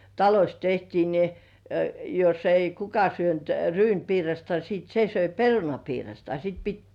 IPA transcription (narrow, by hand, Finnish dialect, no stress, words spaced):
tɑlosʲ tehtiː ni josː ei kukɑ syønt ryːnpiːrɑstɑ siːt se søi perunɑpiːrɑstɑ sit pit